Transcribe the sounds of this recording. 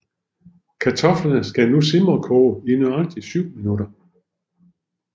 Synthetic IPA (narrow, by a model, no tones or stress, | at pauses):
kʰæt͡sʰɒ̽flɐnəsɡ̥ænusimʁɐkʰɔːinøɑ̈ɡ̥̚d̥isyʊ̰minud̥ɐ